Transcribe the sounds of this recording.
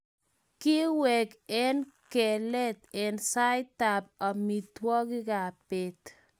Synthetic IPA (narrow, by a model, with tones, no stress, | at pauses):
kɪ˦wɛ˨kɛ˦nkɛ˨lɛ˦t̪ɛ˨nsa˦jt̪a˨pa˨mi˨t̪wɔ˦ɡɪ˦ɡa˨pe˦t̪